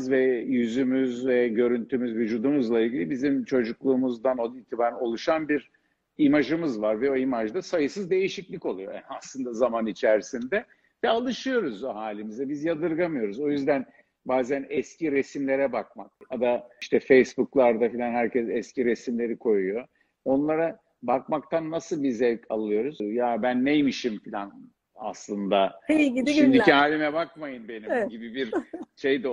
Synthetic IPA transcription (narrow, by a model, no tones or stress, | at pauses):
zvɛjyzymyzvɛɟø̞ɾynt̪ʰymyzvyd͡ʒuːd̪umuzlˠailʲɟʲilʲibizimt͡ʃʰo̞d͡ʒuklˠuːmuzd̪anod̪ilt̪ʰibaːɾno̞lˠuʃanbiɾ | imaʒɯmɯzvaɾvɛo̞imaʒd̪asajɯsɯzd̪e̞jiʃiclʲico̞lˠujoɛ̰aslˠɯnd̪azamanit͡ʃʰæɾsind̪ɛ | vɛalˠɯʃɯjo̞ɾuzhaːlʲimizɛbizjad̪ɯɾɡamɯjo̞ɾuzo̞jyzd̪æn | baːzænɛscʰiɾe̞simlʲe̞ɾɛbak̚mak̚ad̪aʃt̪ʰɛfejsbuklˠaɾd̪afilʲanhæɾcɛsɛsciɾesimlʲe̞ɾikʰo̞jujo̞ | o̞nlˠaɾa | bakmak̚t̪ʰanːasɯlˠbizɛvʲcʰalˠɯjo̞ɾuzjabænːejmiʃimfilʲan | a̰slˠɯnd̪aiiʃimd̪iciɦaːlʲimɛbakmajɯnbe̞niɟibibiɾʃe̞jd̪i